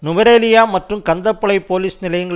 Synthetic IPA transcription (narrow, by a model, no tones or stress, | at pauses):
nʊʋɐɾeːlɪjaːmɐʈrɯmkɐnd̪ɐpːɐɭɐɪpːoːliːsnɪlɐjŋɡɐ